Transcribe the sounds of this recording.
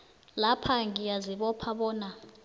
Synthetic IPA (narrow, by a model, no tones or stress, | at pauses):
lapʰaŋijaziɓɔpʰaɓɔːna